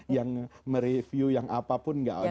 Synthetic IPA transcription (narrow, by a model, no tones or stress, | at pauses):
jaŋməɾefjujaŋʔapapʊnŋɡa̰ʔo